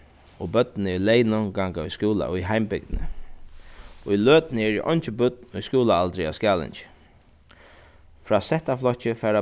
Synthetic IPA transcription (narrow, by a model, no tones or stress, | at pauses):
ɔbœt̪̚nəɛlɛjnɔŋɡaŋkaʊjskuːla̰iɦaɪmbɪɡ̚d̪nə̰ | ɔiløːt̪nəɛɹiʔɔ̰nt͡ʃəbʊt̪̚nʊjskuːlaalt̪ɾɪa̰skjaːlɪ̰nt͡ʃə̥ | fɾaːsɛht̪aflɔt͡ʃəfɛːɾa